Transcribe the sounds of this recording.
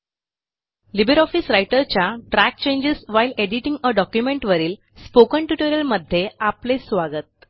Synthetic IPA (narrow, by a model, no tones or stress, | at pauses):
libəɾɔfisɾajʈəɾt͡ɕjaʈɾæk̚t͡ɕẽɲd͡ʑesʋajileɽiʈĩŋɡəɖɔkjumẽɳʈʋəɾiːl | spokəɳʈuʈoɾiəlməd̪ʱːjeaplesʋaɡət̪̚